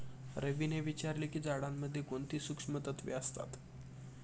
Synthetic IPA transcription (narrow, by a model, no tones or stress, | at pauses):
ɾʔəʋineʋit͡ɕaɾlikiːd͡zaɽamːəd̪ʱːjekoɳt̪iːsukʂəmət̪ət̪ʋḛəst̪a̰t̪